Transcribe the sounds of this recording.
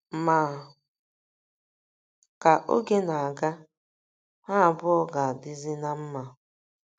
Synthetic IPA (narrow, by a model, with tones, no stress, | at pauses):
maː˨ | ka˨ʔo̰˦ɡe˦na˨a˨ɡa˦ | ha˦a˨bʊ˦ɔ˦ɡa˨a˨dɪ˦zɪ˦na˦m̩˦ma˨